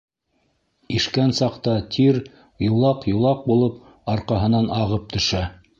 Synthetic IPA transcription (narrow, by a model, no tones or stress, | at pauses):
iʃkænsɑqt̪ɑt̪ʰiɾ | jŏlˠɑqjŏlˠɑq̚bulˠɤp̚ | ɑɾqɑɦɤ̆nɑnɑʁɤp̚t̪ʰɵ̆ʃæ